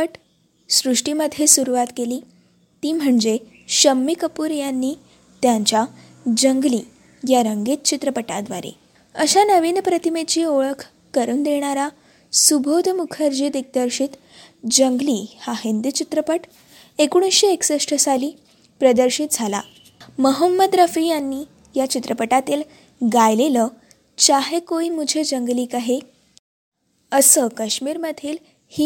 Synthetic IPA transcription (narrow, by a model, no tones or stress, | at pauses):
əʈ | sɾuʂʈiməd̪ʱjesuɾuʋat̪keliː | t̪iːm̤əɳd͡ze | ɕəmːikəpuːɾjanːiː | t̪jaɲt͡ɕja | d͡ʑəŋɡliː | jaɾəŋɡet̪̚t͡ɕit̪ɾəpəʈad̪ʋa̰ɾḛ | əɕanəʋiːnpɾət̪imet͡ɕiːoɭəkʰ | kəɾuːnd̪eɽ̃aɾa | subʱod̪ʱmukʰəɾd͡ʑiːt̪ek̚d̪əɾɕiːt̪ | d͡ʑəŋɡliːhaɦind̪it͡ɕit̪ɾəpəʈ | ekuɽ̃isɕeeksəʂʈʰəsaliː | pɾəd̪əɾɕit̪̚d͡zʱala̰ | məɦəmːəd̪ɾəfijanːiː | jat͡ɕit̪ɾəpəʈat̪iːl | ɡajleləː | t͡ɕaɦekoimud͡ʑʱed͡ʑəŋɡliːkaɦe | əsəkəɕmiːɾməd̪ʱiːl | hi